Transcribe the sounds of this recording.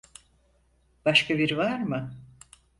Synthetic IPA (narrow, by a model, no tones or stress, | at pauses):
b̥aʃkʰabiɾvaɾmɯ